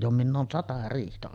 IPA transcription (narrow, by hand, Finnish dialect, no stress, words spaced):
jo minˑ oːn sɑtɑ riːhtæ